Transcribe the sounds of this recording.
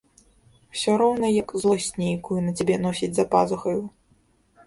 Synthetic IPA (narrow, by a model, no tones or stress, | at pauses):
wsʲɔɾɔwnɐjɐkzlˠɔsʲnʲejkujunɐt͡sʲabʲɛnɔsʲid͡zʲzɐpa̰zɐxɐju